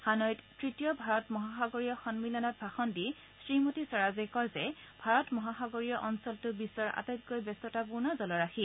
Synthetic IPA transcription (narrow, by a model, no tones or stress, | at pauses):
hanɔjttɹitijɔbʱaɹɔtmɔɦaxaɡoɹijɔxɔnmilɔnɔt̚bʱaxɔndi | sɹimotisɔɹazekɔɹzɛbʱaɹɔtmɔɦaxaɡoɹijɔʔɔnsɔltʊbisɔɹa̰tajt̚kojbɛstɔtapunazɔlɔɹaxi